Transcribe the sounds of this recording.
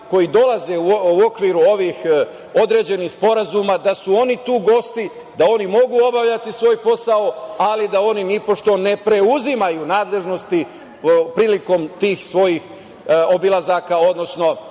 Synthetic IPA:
ko̞jid̪o̞lˠaze̞uuo̞kʋiɾuo̞ʋix | o̞d̪ɾe̞ːd͡ʑe̞nixspo̞ɾazumad̪asuo̞nit̪uːɡo̞st̪i | d̪ao̞nimo̞ɡuːo̞baʋʎat̪isʋo̞ːjpo̞sao̞alid̪ao̞ninipo̞ʃt̪o̞ne̞pɾe̞uzimajunaːd̪le̞ʒno̞st̪i | pɾiːliko̞mt̪iːxsʋo̞jix | obilˠazaːkao̞d̪no̞sno̞

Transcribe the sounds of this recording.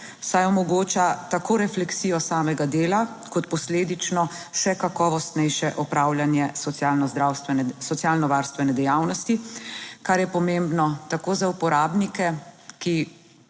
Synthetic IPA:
sajɔmɔɡoːt͡ʃat̪akʰoːɾɛflɛksiːjɔsaːmɛɡad̪eːla | kɔt̪pɔsleːd̪it͡ʃnɔʃɛkakɔːʋɔst̪nɛjʃɛʔɔpɾawljanjɛsɔjalnɔzd̪ɾawst̪ʋɛsɔt̪sjaːlnɔʋaːɾst̪ʋɛnɛd̪ɛjaːwnɔst̪ikaɾjɛpɔmembnɔt̪akoːzaupɔɾaːbnikɛki

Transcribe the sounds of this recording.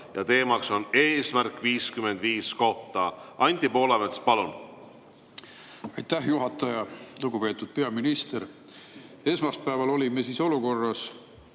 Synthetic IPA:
jɑt̪e̞ːmɑkso̞neːsmærkːˑviːskyme̞nd̪̥viːsko̞ht̪ɑʔɑnʲt̪ipo̞ːlemespɑlun | ɑjt̪ːæhjuɦɑt̪ːˑɑjɑluɡ̥upe̞ːt̪ːˑud̪̥̚pe̞ɑminist̪e̞ɾ | e̞smɑspæevɑlo̞lʲimesiːso̞luko̞rːɑs

